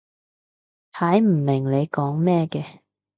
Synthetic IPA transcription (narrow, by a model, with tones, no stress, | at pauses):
hʰaː˨˥jm̩˨˩mɪ˨˩ŋle˨˧jkɔː˨˥ŋmɛː˥˧kɛː˧